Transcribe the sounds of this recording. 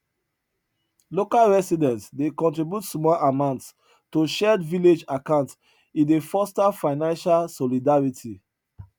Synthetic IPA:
lokalɹɛsidɛ̃ntdekɔ̃ntɹibjutsmɔlamãʊ̃nts | toʃɛdviled͡ʒakãʊ̃nt | ĩndefɔstafaɪnãnʃalsɔlidaɹitʰi

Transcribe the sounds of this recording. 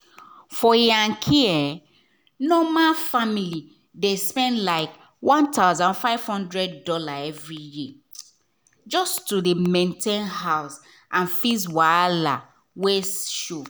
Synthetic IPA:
fɔjãŋkʰiɛ | nɔmafamili | despɛ̃ndlaɪk | wɔ̃ntaʊzãnfaɪv̥hɔ̃ndɹɛdːɔlaɛvɹiji | d͡ʒɔstudəmẽntẽnɦaʊs | ʔãnfiswala̰ | wesʃo

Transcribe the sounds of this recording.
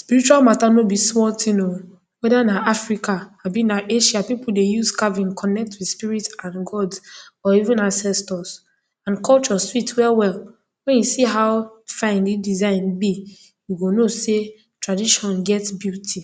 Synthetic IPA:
spiɹit͡ʃualmatanobismɔtʰĩno | wɛdanaafɹikaabĩnaʔeʃapipul̩dejuzkavĩnkʰɔnɛk̚twispiɹitãnɡɔd | ɔivũnãnsɛstɔs | ãnkɔlt͡ʃɔswitʰwɛlwɛl | wɛ̃njusiɦaʊfãɪ̃ndidizãɪ̃nbi | juɡonose | tɹadiʃɔ̃nɡɛtbjutʰi

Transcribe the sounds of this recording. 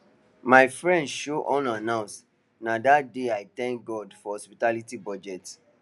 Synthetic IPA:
maɪfɹɛ̃ndʃoʔɔ̃nãnãʊ̃s | nadat̚deajtɛ̃ŋk̚ɡɔdfɔhɔspitalitibɔd͡ʒɛt

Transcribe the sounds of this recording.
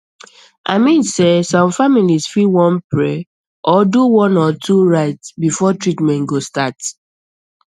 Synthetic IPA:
ʔaɪmĩnsesɔ̃mfamilisfiwɔ̃npɹɛ | ʔɔduwɔ̃nɔtʰuɹaɪtsbifɔtɹitmɛ̃nɡostat

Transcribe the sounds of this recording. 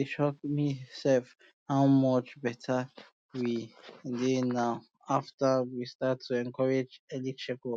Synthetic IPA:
iʃɔkmisɛlf | haʊmɔt͡ʃbɛtʰa | widenaʊ | aftawistatʰːuɛ̃ŋkʰɔɹed͡ʒɛlikʃɛko

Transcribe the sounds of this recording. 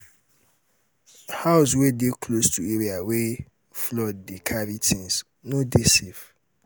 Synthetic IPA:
haʊs̬wedekʰlostʰueɾiawe | flɔd̚dekʰaɾitʰĩns | nʊ̃desif

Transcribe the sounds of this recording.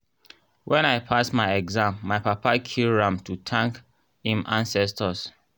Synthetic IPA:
wʔɛ̃naɪpʰastmaɪɛɡzãmːaɪpapakʰilɾãmtʰutʰãŋk | hĩmʔãnsɛstəs

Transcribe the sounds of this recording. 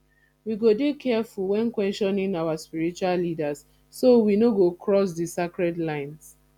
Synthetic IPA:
wiɡodekʰɛfulwɛ̃nkwɛsʃɔ̃nĩŋawaspiɹit͡ʃualːidas | sowinoɡokʰɹɔs̬disakɹɛdlãɪ̃ns

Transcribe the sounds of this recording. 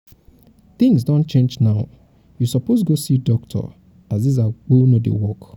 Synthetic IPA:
θɪ̃ŋzdɔ̃nt͡ʃẽnd͡ʒnaʊ | jusɔposɡosidɔk̚tʰɔ̰ | azdiz̬ak͡ponodḛwɔk

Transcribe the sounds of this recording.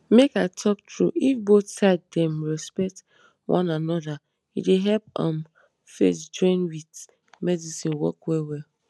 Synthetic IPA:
mekaɪtʰɔk̚tʰɹṵifboθsaɪddɛ̃mɹɛspɛk̚t | wʔã̰nanɔða | ḭdeɦɛp̚ã̰m | fḛsd͡ʒɔĩnwid | mɛdisĩnwɔ̰kwɛwɛ

